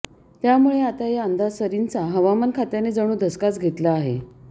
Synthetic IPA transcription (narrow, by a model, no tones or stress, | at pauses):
t̪jamuɭeat̪ajaənd̪asəɾint͡saɦəʋamənkʰat̪janed͡zəɽ̃uːd̪ʱəskat͡sɡʱet̪laːɦḛ